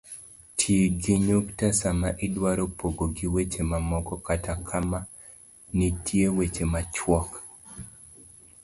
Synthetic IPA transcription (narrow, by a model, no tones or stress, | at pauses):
tʰjeɡiɲoktasamaʔɪdwaɾopʰoɡoɡiwet͡ʃemamɔkɔkatakʰama | nitʰjewet͡ʃemat͡ʃwɔk